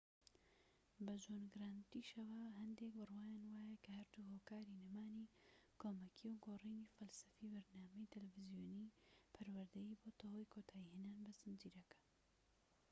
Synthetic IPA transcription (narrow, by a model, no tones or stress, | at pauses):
bɐd͡ʒoːnɡɨɾaːnt̪iʃɐwaɦɐnd̪eːk̚bɨrwaːjaːnwaːjɛkʰɐhɐɾd̪uːhoːkaːɾiːnɨmaːniːkʰoːmɐkʰiwɡoːriːniːfɐlsɐfiːbɐɾnaːmɛjt̪ʰɨlfɪzijoːniːpʰɐɾwɐɾd̪ɐjiːboːt̪ʰohojkʰoːt̪ʰaːihenaːnbɨsɨnd͡ʒiːɾɐkɐ̥